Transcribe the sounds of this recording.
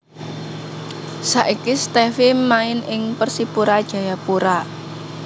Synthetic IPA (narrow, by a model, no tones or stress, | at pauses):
sa̰ʔikist̪ɛfimaɪnɪŋpərsipuɾad̥ʒ̥ä̤japuɾa